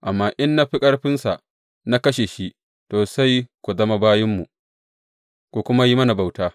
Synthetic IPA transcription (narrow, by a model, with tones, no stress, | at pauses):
ʔa˨mːaː˦ʔɪ˦nːa˦ɸɪ˦kʼɐ˦rɸɪ˦nsa˨ | na˦kɐ˦ʃe˨ʃi˦ | toː˨sa˦jkʷu˨zɐ˦ma˦baː˦jɪ˦mːu˨ʔ | kʷu˨kʷʊ˦ma˦ji˦mɐ˦na˨ba˨wtaː˦